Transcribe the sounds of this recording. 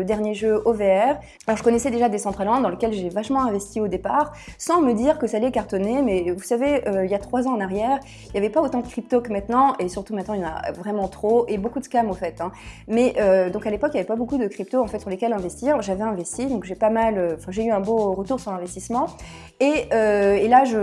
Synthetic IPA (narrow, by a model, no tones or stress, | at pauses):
əd̪ɛʁnjeʒøʔoveɛʁ | alɔʁʒəkɔnɛsɛd̪eʒad̪esɑ̃t̪χalɑ̃d̪d̪ɑ̃ləkʲɛlʒevaʃmɑ̃ɛ̃vɛst̪iod̪epaʁsɑ̃məd̪iʁkəsaːlɛkaʁt̪ɔnemɛvusaveøiljat̪χwazɑ̃ɑ̃naʁjɛːʁ | iljavɛpaot̪ɑ̃d̪əkχipt̪okəmɛ̃t̪nɑ̃esyʁt̪umɛ̃t̪nɑ̃ijɑ̃na̰vʁɛmɑ̃t̪χoʔebokud̪əkamɔfɛt̪ɛ̃mɛʔød̪ɔ̃kalepɔkijavɛpabokud̪əkχip̚t̪oɑ̃fɛt̪syʁlekɛlɛ̃vɛst̪iʁʒavɛɛ̃vɛst̪id̪ɔ̃kʒepamaløɑ̃fɛ̃ʒeyɛ̃boʁət̪uʁsyʁlɛ̃vɛst̪ismɑ̃ | eøelaʒə